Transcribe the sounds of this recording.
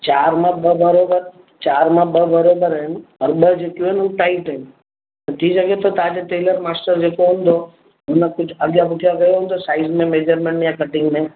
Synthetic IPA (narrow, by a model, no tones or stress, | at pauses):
t͡ʃaːɾmãbəbəɾoːbəɾ | t͡ʃaːɾmãbəbəɾoːbəɾɦɛnɔːɾɓəd͡ʒekjũɦɛnuʈaɪʈɦɛn | net̪ʰisəɡet̪ʰot̪aːd͡ʒeʈeːləɾmaːsʈəɾd͡ʒeːkoɦʊ̃nd̪ʱo | ɦʊnakʊt͡ʃʰɐɡjabʊʈʰijaɡɐjoɦʊ̃nd̪osaːɪzmẽmeːd͡ʒəɾmẽɳʈnjakɐʈɪ̃ŋɡmẽ